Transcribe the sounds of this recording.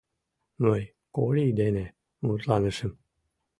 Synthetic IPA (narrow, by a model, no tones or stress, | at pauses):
noj | kolʲiid̪ene | mut̪lɑnɨʃɨm